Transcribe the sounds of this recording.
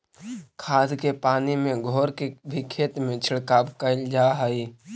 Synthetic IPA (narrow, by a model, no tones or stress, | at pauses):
kʰaːskepaːnimẽɡʱɔːɾkebʱikʰeːt̪mẽt͡ʃʰɪɽkaːbkəld͡ʒaːɦaiː